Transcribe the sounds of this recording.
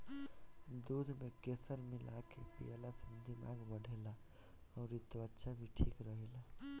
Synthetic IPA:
d̪ud̪ʱmekesəɾmilʔakepḭjalasənd̪imaɡbəɽ̤ʱela | ɔːɾit̪oətːʃʰabʱiʈʰikɾəɦɛla

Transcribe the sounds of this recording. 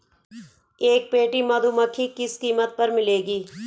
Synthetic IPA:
eːk̚peːʈimɐd̪ʱuməkʰːikɪskiːmət̪̚pɐɾmɪleːɡiː

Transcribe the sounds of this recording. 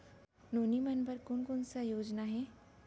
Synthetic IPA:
noːnimɐnpɐɾkʊnkʊnsajoːd͡ʒnaɦɛː

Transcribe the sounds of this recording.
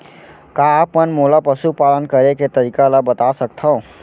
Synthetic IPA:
kaːpːənmolapəsupalənkəɾeket̪əɾikalabət̪asəkt̪ʰəʊ̃

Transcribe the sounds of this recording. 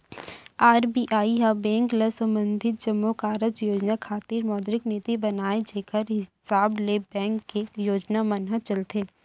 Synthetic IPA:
aːɾbiʔaːiɦabɛ̃ːŋkləsə̃mbə̃nd̪ʱɪt̪̚d͡ʒəmːokaːɾəd͡ʒjoːd͡ʒnakʰaːt̪iːɾmɔːd̪ɾɪkniːt̪ibɐnaːed͡ʒeːkəɾɦɪsaːblebɛ̃ːŋkːejoːd͡ʒnamɐnɦət͡ʃɐlt̪eː

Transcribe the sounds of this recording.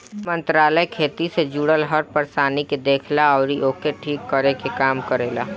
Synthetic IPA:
mə̃nt̪ɾaːləjkʰeːt̪ised͡ʒuːɽəlɦɐɾpəɾsaːniked̪eːkʰlaɔːɾiʔoːkeʈʰiːkːəɾekekaːmkəɾeːlaː

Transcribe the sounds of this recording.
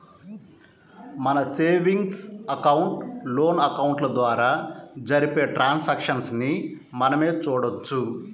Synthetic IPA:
mɐnɐseːʋiŋɡsɐkɐwuɳʈlo̞ːnɐkɐwuɳʈlɐd̪ʋaːɾaːd͡ʒɐɾipe̞ːʈɾʔaːnsɐkʂɐnsni | mɐnɐme̞ːt͡ʃuːɽɐt͡ʃːu

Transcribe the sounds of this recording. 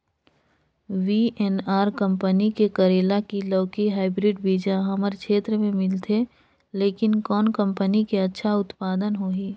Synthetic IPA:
ʋiʔɛnaːɾkə̃mpənikekəɾeːlakilɔːkiɦaːɪbɾɪɖbiːd͡ʒãɦɐməɾkʰeːt̪ɾəmẽmɪlt̪ʰe | leːkɪnkɔːnkə̃mpənikeɐtːʃʰaʊt̪paːd̪ənɦoːiː

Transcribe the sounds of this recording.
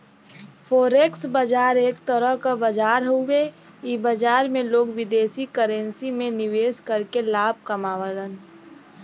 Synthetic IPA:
pʰoːɾeksbəd͡ʒaːɾeːkt̪əɾəɦkabəd͡ʒaːɾɦowe | ibəd͡ʒaːɾmẽloːɡʋɪd̪eːsikəɾə̃nsimẽnɪʋeːskəɾkelaːb̚ʱkəmaːʋəɾən

